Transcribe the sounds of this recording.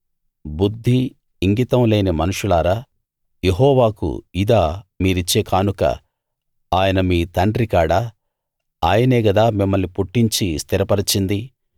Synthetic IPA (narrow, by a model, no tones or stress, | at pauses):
bud̪ʱːiː | ŋɡit̪ɐmleːnɐmɐnuʂulaːɾaː | je̞ɦɔːʋaːkṵid̪aːmiːɾit͡ʃːeːkaːnukɐ̰ | aːjɐnɐmiːt̪ɐɳɖɾikaːɽaː | aːjɐneːɡɐd̪aːmimːɐlnipuʈːiɲt͡ʃist̪ʰiɾɐpɐɾit͡ʃind̪i